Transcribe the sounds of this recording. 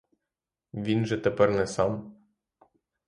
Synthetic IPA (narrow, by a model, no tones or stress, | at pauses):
vʲinʒɛt̪ɛpɛrnɛsam